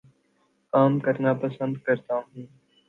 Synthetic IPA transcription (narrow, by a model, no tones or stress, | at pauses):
kaːmkəɾnapəsə̃nd̪kəɾt̪aɦũː